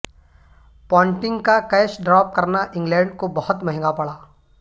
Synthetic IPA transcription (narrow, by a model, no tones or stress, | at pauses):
pɔːɪɳʈɪ̃ŋɡkakɐjʃɖɾaːp̚kɐɾnaʔɪ̃ŋɡlɛ̃ːɳɖkobɐhʊt̪mɐɦɪ̃ŋɡapɐɭaː